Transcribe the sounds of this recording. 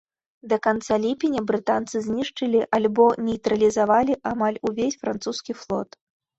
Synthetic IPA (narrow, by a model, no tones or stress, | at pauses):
d̪ɐkant̪salʲipʲinʲɐbɾɨt̪ant̪sɨzʲnʲiʂt͡ʂɨlʲiʔalʲbɔnʲɛjt̪ɾɐlʲizavalʲiʔamalʲuvʲesʲfɾant̪suskʲiflˠɔ̰t̪